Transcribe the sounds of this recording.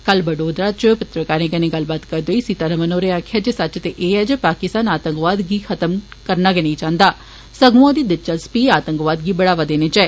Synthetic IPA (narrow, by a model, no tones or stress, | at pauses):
kɐlbəɖoːd̪ɾaːt͡ʃəpɪt̪ɾəkaːɾẽːkɐnẽɡɐlbaːt̪kɐɾd̪oːisit̪əɾəmənoːɾeaːkʰjad͡ʒesɐt͡ʃt̪eʔeːɛd͡ʒəpaːkɪst̪aːnaːt̪ə̃ŋkʋaːd̪ɡiːxʰɐt̪əmkəɾnaːɡenɐĩt͡ʃãːnd̪aː | səɡuõd̪iːd̪ɪt͡ʃəspiːaːt̪ə̃ŋkʋaːd̪ɡiːbɐɽaːʋad̪eːnet͡ʃɛː